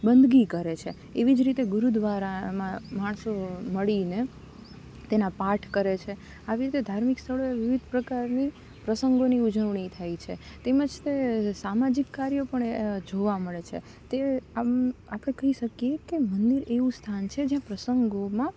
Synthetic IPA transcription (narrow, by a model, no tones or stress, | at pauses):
bənd̪ɡikəɾet͡ʃʰe | eʋid͡ʒɾit̪eɡʊɾud̪ʋaɾamãmaɳsoməɭine | t̪enapaʈʰkəɾet͡ʃʰe | aʋiɾit̪ed̪ʱaɾmikst̪ʰəɭoeʋiʋid̪ʱpɾəkaɾni | pɾəsəŋɡoniud͡ʒəʋɳ̃it̪ʰajt͡ʃʰet̪eməd͡ʒt̪esamad͡ʒikːaɾjopəɳed͡ʒoʋaməɭet͡ʃʰḛ | t̪e | apɽ̃ekəɦiʃəkjekemənd̪iɾeʋũst̪ʰant͡ʃʰed͡ʒjãpɾəsəŋɡomã